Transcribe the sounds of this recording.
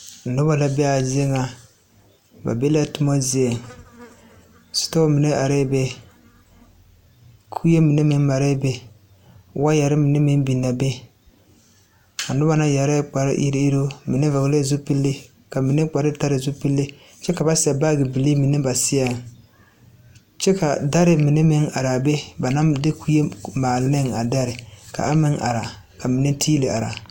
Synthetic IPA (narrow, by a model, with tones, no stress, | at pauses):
n̩˨nʊ˦ba˦la˨bɛ˦a˨zi˦e˦ŋa˨ | ba̰˨be˦la˦tʊ˦mɔ˦zi˦e˨ŋ | sʊ̥˦to˦mi˨ne˦ʔa˨ɾɛ˦bɛ˦ | kʰu˦je˦mi˨ne˦mi˦n˦ma˨ɾɛ˦bɛ˦ | wa˦ja˨ɾɪ˦mi˨ne˦mi˦n˦bi˨nːa˨bɛ˦ | a˨nʊ˦ba˦na˦ja˨ɾɛ˦k͡pa˨ɾɪ̰˦ʔḭ˦ɾi˦i˦ɾo˦mɪ˨ne˦va˨ɣle˦˨zu˦pi˦lːɪ˦ | ka˨mi˨ne˦k͡pa˨ɾɪ˦ta˦ɾɪ˨zu˦pi˦lːɪ˦ | t͡ʃɛ˦ka˨ba˦sɪ˨a˨ba˦˨ɡɪ˨bi˨li˦mi˨ne˦ba˨sɪ˦a˨ŋ˨ | t͡ʃɛ˦ka˨da˦ɾɪ˨mi˨ne˦mɪ˦ŋa˨ɾa˨be˦ba˨na˦de˦kʰu˦je˦maː˨lɪ˨nɪ˦ŋa˨da˦ɾɪ˨ka̰˨a˦mɪ˦ŋa̰˨ɾa˨ | ka˨mi˨ne˦tʰiː˦lɪ˨ʔa˨ɾa̰˨